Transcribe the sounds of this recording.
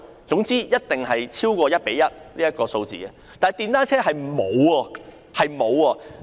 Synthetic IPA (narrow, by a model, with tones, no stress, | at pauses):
t͡sʊ˨˥ŋt͡siː˥jɐ˥t̚t̪ɪ˨ŋɦɐ˨jt͡sʰiː˥wkʷɔː˧jɐ˥t̚pe˨˥jɐ˥t̚liː˥ɐ˥t̚kɔː˧so˧wt͡sḭː˨kɛ̰˧ | t̪aː˨jt̪iː˧nt̪aː˥nt͡sʰɛː˥ɦɐ˨jm̩˨˩mo˨˧wɔː˧ | hɐ˨jmo˨˧wɔː˧